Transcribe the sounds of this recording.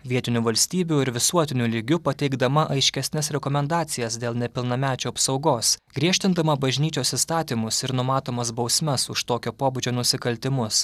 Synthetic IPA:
ʋʲiɛt̪ʲɪnʲuʋɐlʲsʲt̪ʲiːbʲuɪɾʋʲɪsuɔt̪ʲɪnʲulʲɪɡʲʊpɐt̪ʲɛɪɡd̪ɐmɐʔɐɪʃʲkʲɛsʲnʲɛsɾʲɛkɔmʲɛnd̪ɑːt̪sʲɪjɛsd̪ʲeːlˠnʲɛpʲɪlˠnɐmʲæːt͡ʃʲoːɐpsɒʊɡoːsɡɾʲiɛʃʲt̪ʲɪnd̪ɐmɐbɐʒʲnʲiːt͡ʃʲoːsɪst̪ɑːt̪ʲiːmʊsɪɾnʊmɑːt̪oːmɐsbɒʊsʲmʲɛsʊʃt̪oːkʲoːpoːbʊd͡ʒʲoːnʊsʲɪkɐlʲt̪ʲɪmʊs

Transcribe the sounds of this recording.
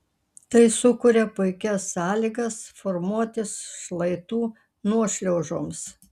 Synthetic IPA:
t̪ɐɪsʊkʊɾʲɛpʊɪkʲɛsːɑːlʲiːɡɐsfɔɾmuɔt̪ʲɪsʃlˠɐɪt̪uː | nuɔʃʲlʲɛʊʒoːms

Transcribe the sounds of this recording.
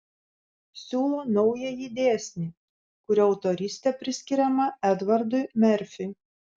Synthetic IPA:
sʲuːlˠoːnɔʊjɛjid̪ʲeːsʲnʲiː | kʊɾʲɪɒʊt̪ɔɾʲisʲt̪ʲɛpʲɾʲɪsʲkʲɪɾʲɛmɐɛd̪ʋɐɾd̪ʊɪmʲɛɾʲfʲɪɪ

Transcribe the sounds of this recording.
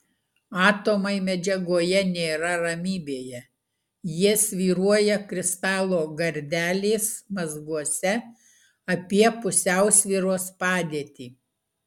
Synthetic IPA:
ɑːt̪oːmɐɪmʲɛd͡ʒʲɛɡoːjɛnʲeːɾɐɾɐmʲiːbʲeːjɛ | jɪɛsʲʋʲiːɾuɔjɛkɾʲɪst̪ɑːlˠoːɡɐɾʲd̪ʲæːlʲeːsmɐzɡuɔsʲɛ | ɐpʲiɛpʊsʲæˑʊsʲʋʲiːɾoːspɑːd̪ʲeːt̪ʲiː

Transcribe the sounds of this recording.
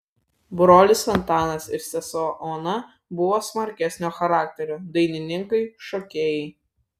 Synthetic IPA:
bɾoːlʲɪsfɐnt̪ɑːnɐsɪɾsʲɛsoːʔɔnɐ | bʊʋoːsmɐɾʲkʲɛsʲnʲoːxɐɾɑːk̚ʲt̪ʲɛɾʲoːd̪ɐɪnʲɪnʲɪŋkɐɪʃɔkʲeːjɛɪ

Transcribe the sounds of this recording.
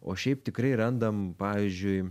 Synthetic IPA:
oːʃʲɛɪpt̪ʲɪkɾɐɪɾɐnd̪ɐmpɑːʋʲiːzʲd͡ʒʲʊɪ

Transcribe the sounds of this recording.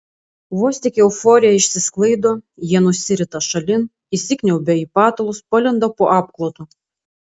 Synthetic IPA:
ʋoɔsʲt̪ʲɪkʲɛʊfɔɾʲɪjɛɪʃʲsʲɪsklˠɐɪd̪oːjiɛnʊsʲɪɾʲɪt̪ɐʃɐlʲɪn | isʲɪkʲnʲɛʊbʲɛiːpɑːt̪olˠʊspɐlʲɪnd̪opoːʔɑːpklˠoːt̪o

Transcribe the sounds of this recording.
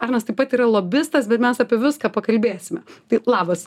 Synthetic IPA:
ɐrnɐst̪ɐɪpɐt̪iːɾɐlˠoːbʲɪst̪ɐsbʲɛt̪mʲɛsaːpʲiɛʋʲɪskaːpɐkɐlʲbʲeːsʲɪmʲɛt̪ɐɪlˠɑːbɐs

